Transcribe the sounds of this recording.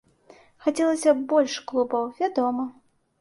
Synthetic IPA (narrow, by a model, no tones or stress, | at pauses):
xat͡sʲɛlˠɐsʲɐbɔlʲʂklˠubɐwvʲad̪ɔmɐ